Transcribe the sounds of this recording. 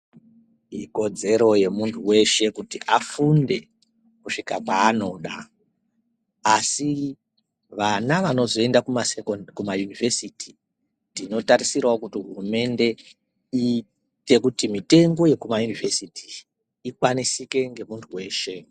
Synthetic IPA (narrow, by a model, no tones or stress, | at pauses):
iko̞d͡ze̞ɾo̞je̞muntʰuwe̞ʃe̞kutiʔafunde̞ | kuʂikakwaːno̞ɗa | asi | ʋanaʋano̞zo̞e̞ndakumaskumajunive̞siti | ntino̞taɾisirwaokutiɦurume̞nde̞ | i | te̞kutimite̞ŋɡo̞je̞kumajunivʱesiti | ikwanisike̞ŋɡe̞muntʰuwe̞ːʃe̞